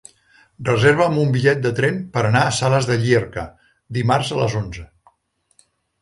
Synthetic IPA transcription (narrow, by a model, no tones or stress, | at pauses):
rrəzeɾβəːmbumbiʎɛt̪̚d̪ət̪ɾɛmpəɾənaəsaləzðəʎierkə̰ | d̪imarzələ̰zonzə